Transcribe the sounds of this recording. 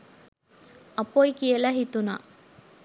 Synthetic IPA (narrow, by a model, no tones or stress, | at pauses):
ɐpojkijəlɐɦit̪una̰